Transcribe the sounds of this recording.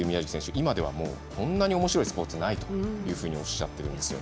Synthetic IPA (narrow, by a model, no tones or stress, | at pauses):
ɯ̟mʲijaʑiki̥sẽɕɨʔimad̪e̞βa̰mo̞̰ːkʰõ̞nːaɲ̟io̞mo̞ɕiɾo̞isɨ̥po̞t͡sɨnait̪o̞jɯːɸɯ̟ːɲ̟io̞ɕːa̰t̪ːe̞ɾɯ̟̃nd̪esɨjo̰